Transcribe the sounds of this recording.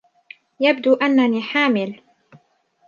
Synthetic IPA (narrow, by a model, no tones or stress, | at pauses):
jabd̪uːʔanːaniːħaːmɪl